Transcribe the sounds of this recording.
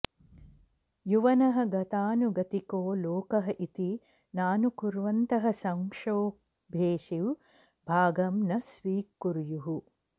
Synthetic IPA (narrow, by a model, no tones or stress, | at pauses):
juʋɐnɐɦɐɡɐt̪aːnuɡɐt̪ikoːloːkɐɦɐʔit̪i | naːnukuɾʋɐnt̪ɐɦɐ̆sɐŋʂoː | bʱeːʃiw | bʱaːɡɐmnɐsʋiːkːuɾjuɦu